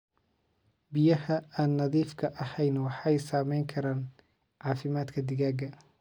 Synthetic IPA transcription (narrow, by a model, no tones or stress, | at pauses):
bɪjɐɦɐaːnːɐðiːfkʰɐʔɐhɛjnwɑħɑjsaːmɛjŋkʰɐɾaːn | ʕɑːfɪmaːd̪kʰɐd̪ɪɣaːɡɐ